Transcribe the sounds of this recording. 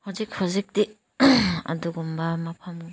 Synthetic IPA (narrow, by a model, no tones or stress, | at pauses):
hɔzikhɔzik̚di | a̰duɡumbamapʰam